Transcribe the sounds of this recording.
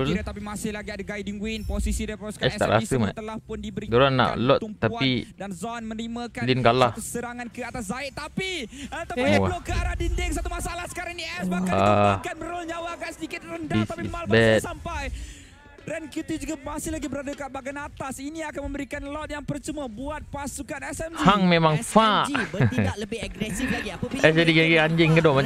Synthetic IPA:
lt̪ap̬imasɪhlaɡiadəɡajdiŋwinposisidajpɾɔskaɛst̪a̰ʔɾa̰səma̰t̪əlahpʊndibəɾiɡəɾanːa̰ʔlɔt̪ump̪ːaaidanzɔnmənəɾiməkalinkalahəsəɾaŋankəat̪as̬zaɪʔt̪apiət̪awaloʔkəaɾadindɪŋsat̪umasalahsə̥kaɾaŋniɛsbakakanməɾʊlɲawaɡaʔsədikɪt̪̚ɾəndaist̪aimalbɛt̪sampaj | rɛnkit̪id͡ʒuɡamasɪhlaɡibəɾadakabaɡanat̪asiniakanməmbəɾikanlɔt̪̚jaŋpərt͡ʃəməbuat̪̚pasukanɛsɛmhaŋmemaŋfaʔt̪aləbɪaɡɾɛsiflaɡiɛsd͡ʒadikaɡiaɲd͡ʒɪŋkədoma

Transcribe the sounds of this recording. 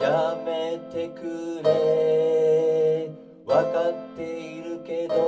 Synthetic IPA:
jame̞t̪e̞kɯɾe | βakat̪ːe̞iɾɯke̞d̪o

